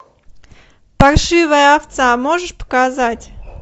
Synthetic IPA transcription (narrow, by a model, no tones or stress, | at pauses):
pɐrʂɨvəjəaft̪samoʐɨʂpə̥kazatʲ